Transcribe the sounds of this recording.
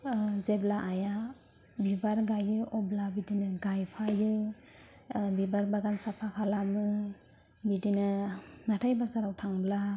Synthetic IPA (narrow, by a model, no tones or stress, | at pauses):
zeblaʔaja | bibaɾɡajɯʔɔblabidinɯɡajpʰajɯ | bibaɾbaɡansapʰakʰalamɯ | bidinɯnatʰajbasaɾawtʰaŋbla